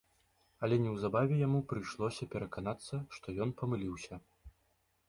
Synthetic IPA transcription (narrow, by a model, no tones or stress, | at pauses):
ɐlʲɛnʲɛwzabavʲɛjamupɾɨjʂlˠɔsʲɐpʲɛɾɐkanat̪sːɐʂt̪ɔjɔnpɐmɨlʲiwsʲɐ